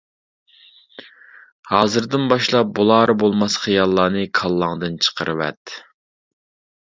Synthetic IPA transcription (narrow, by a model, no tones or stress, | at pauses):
hɑːzɨɾd̪ɨnbɑʃlˠɑp̚bulˠɑːɾbolˠmɑsχijɑlˠːɑːnɨkʰɑlˠːɑŋd̪ɨnt͡ʃʰə̥qʰəɾɨwɛ̰t̪